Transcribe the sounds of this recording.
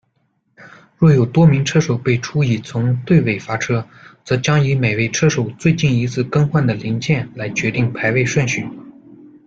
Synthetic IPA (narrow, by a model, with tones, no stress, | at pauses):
ɻwɔ˥˩jo˨˩ʊt̪wɔ˥mi˧˥ŋʈ͡ʂʰɤ˥ʂo˨˩ʊpe˥˩ɪʈ͡ʂʰu˥i˨˩t͡sʰʊ˧˥ŋt̪we˥˧ɪwe˥˩ɪfa˧˥ʈ͡ʂʰɤ˥t͡sɤ˧˥t͡ɕjɑ˥ŋi˧˥me˨˩ɪwe˥˩ɪʈ͡ʂʰɤ˥ʂo˨˩ʊt͡swe˥˧ɪt͡ɕi˥˩ni˧˥t͡sʰɹ̩˥˩kə˥nxwa˥˩nd̪ə˩li˧˥ŋt͡ɕʰjɛ˥˩nla˧˥ɪt͡ɕɥɛ˧˥t̪i˥˩ŋpʰa˧˥ɪwe˥˧ɪʂwə˥˧nɕy˨˩˦